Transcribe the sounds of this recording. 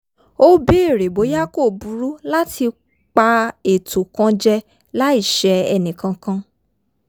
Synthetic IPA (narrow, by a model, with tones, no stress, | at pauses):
o˦be˦e˦˨ɾe˨bo˨˦ja˦ko˦˨bu˨˦ɾu˦la˦tʰi˧ | k͡pa˧e˨to˨kã˧d͡ʒɛ˦ | la˦i˦˨ʃɛ˨˧ɛ̰˧nĩ˨kã˧kã˧